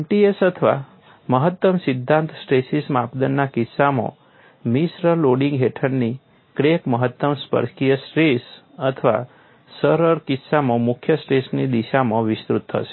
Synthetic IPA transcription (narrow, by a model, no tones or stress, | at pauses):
emʈiesət̪ʰəʋa̰ | məɦət̪ːəmsɪd̪ʱːãnt̪sʈɾesismapd̪ənːakɪsːamõ̰ | misɾəloɽĩŋɡɦeʈʰəɽni | kɾekməɦət̪ːəmspə̰ɾkijəsɾes | ət̪ʰəʋa̰ | səɾəɾkɪsamə̃mʊkʰjəsʈɾesnid̪iʃamə̃ʋɪst̪ɾut̪ːʰə̰ʃe